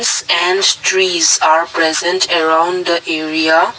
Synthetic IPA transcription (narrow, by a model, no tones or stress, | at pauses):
sɛ̃nɖʈɾiːzaːɾpɾɛzə̃nʈʰəɾãʊ̃nɖd̪əʔeːɾia